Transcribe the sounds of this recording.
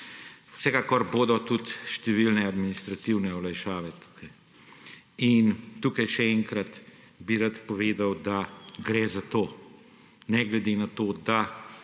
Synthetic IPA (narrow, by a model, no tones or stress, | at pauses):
sɛkakɔɾboːd̪ɔt̪ut̪ʃt̪ɛʋilnɛad̪minist̪ɾat̪iwnɛɔlajʃaːʋɛt̪u̥kʰɐj | int̪ukajʃɛɛŋkɾɐt̪ | biɾat̪pɔʋeːd̪awd̪aɡɾɛzat̪oː | nɛɡlɛd̪enat̪oːd̪a